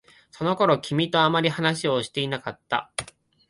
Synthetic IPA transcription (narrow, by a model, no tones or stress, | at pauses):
so̞no̞ko̞ɾo̞kʲimʲit̪o̞amaɾʲihanaɕio̞ɕi̥t̪e̞inakat̪ːa̰